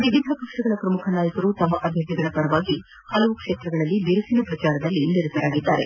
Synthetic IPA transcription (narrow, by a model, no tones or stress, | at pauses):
ʋiʋid̪ʱɐkɐkʂɐɡɐɭɐpɾɐmukʰɐnaːjɐkɐɾut̪ɐmːɐʔɐbʱjɐt̪iɡɐɭɐpɐɾɐʋaːɡi | hɐlɐʋukʂeːt̪ɾɐɡɐɭɐlːibiɾɐsinɐpɾɐt͡ʃaːɾɐd̪ɐlːiniɾut̪ɐɾaːɡid̪ːaːɾe̞̰